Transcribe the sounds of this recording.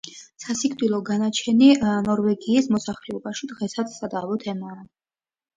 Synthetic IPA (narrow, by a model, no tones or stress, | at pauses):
sasikʰd̪ilˠɔɡanat͡ʃʰɛninɔɾvɛɡiːsmɔsaχlɛɔbaʃid̪ʁɛsat̪ssad̪aːvɔt̪ʰɛmaː